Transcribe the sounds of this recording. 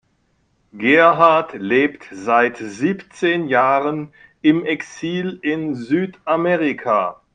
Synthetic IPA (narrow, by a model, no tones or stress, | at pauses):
ɡɛɐɦaɐtleːptz̥aɪtziːpt͡seːnjaːʁən | ɪmɛksiːlɪnzyːtʔamɛʁikʰa̰